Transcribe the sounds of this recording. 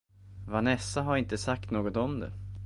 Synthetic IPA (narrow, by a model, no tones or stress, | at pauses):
vanɛsːaɦaɾɪnt̪əsak̚t̪noːɡɔt̪ɔmd̪ɛ̰